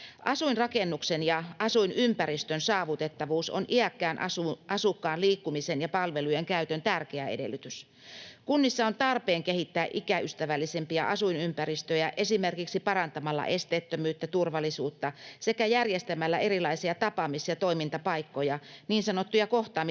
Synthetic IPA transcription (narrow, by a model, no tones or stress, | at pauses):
ʔɑsuinrɑkenːuksenjɑʔɑsuinympæɾist̪ønsɑːʋut̪et̪ːɑʋuːso̰nʔiækːæːnɑsuʔɑsukːɑːnliːkːumisenjɑpɑlʋelujeŋkæyt̪ønt̪ærkeæedḛlːˑyt̪ys | kunːisːɑont̪ɑrpeːŋkehit̪ːæːʔikæʔyst̪æʋælːisempiɑ̰ʔɑsuinympæɾist̪øjæʔe̞simerkiksipɑrɑnt̪ɑmɑlːɑ̰ʔest̪eːt̪ːømyːt̪ːæt̪urʋɑlːˑisuːt̪ːɑsekæjærjest̪æmælːæʔe̞rilɑisiɑt̪ɑpɑmisjɑt̪oimint̪ɑpɑikːojɑniːnsɑnot̪ːujɑkoht̪ɑːm